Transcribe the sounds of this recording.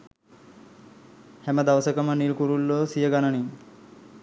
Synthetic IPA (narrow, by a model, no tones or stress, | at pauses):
hɛmad̪aʋsəkamanilkuɾulːosijəɡanañi